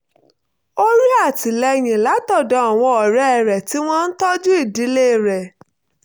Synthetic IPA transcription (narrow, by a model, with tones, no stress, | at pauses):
o˦ɾi˦a˦˨ti˨lɛ˧˨j̃ĩ˨la˨˦tɔ˦˨dɔ̃˨˦a˦˨w̃ɔ̃˧ɔ˨ɾɛ˨˦ɛ˨ɾɛ˨ti˦w̃ɔ̃˦n̩˦tɔ˦d͡ʒu˦i˦˨di˨˦le˦˨ɾɛ˨